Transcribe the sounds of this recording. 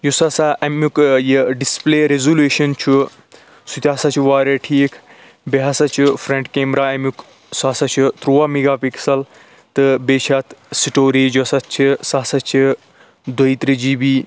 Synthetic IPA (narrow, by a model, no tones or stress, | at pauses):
jusɐsaʔɐmukjiɖispleːɾezuluːʃɐnt͡ʃʰu | sut̪ʲaːsɐt͡ʃʰuʋaːɾeʈʰiːkʰ | beɦɐsɐt͡ʃʰufɾẽɳʈkeːmɾaːɐmjuk | saːsɐt͡ʃʰut̪ɾuːaːmiɡaːpiksɐl | t̪ɨbeːt͡ʃʰaːt̪siʈoːɾiːd͡ʒosɐt͡ʃʰisaːsɐt͡ʃʰi | d̪ɐit̪ɾid͡ʒiːbiː